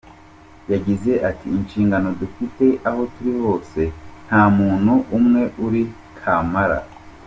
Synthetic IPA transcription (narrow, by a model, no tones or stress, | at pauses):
jaɟize̞ʔatiːnʃiːŋɡano̞dufite̞ʔaho̞tuɾiho̞ːse̞n̥haːmuːn̥huʔumŋe̞ʔuɾi | kʰamaɾa̰